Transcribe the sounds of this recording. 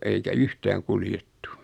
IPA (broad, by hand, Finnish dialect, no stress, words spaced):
eikæ yhtæːŋ kuljetːu